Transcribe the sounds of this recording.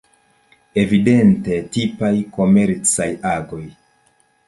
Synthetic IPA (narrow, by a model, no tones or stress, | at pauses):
e̞vide̞nte̞tipajko̞me̞ɾt͡sajaɡo̞j